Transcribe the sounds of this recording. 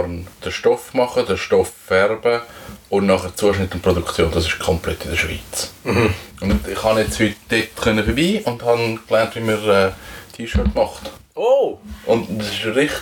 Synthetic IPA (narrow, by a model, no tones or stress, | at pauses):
ɾnd̥əʃtɔfmɑχədəʃtɔfːɛrbəʊnnɑχəɾt͡suəʃnɪtːʊnt̚produkt͡sjoːndɑsɪʃkʰɔmplɛ̰tːɪdəʃvḭːt͡s | ʊnɪχhɑnjɛt͡shytd̥etχœnəfəbiːʊndhɑnklɛntʋimiɾɛːtʰiːʃøɹtmɑχtoʔʊndɑsɪʃɾɪχ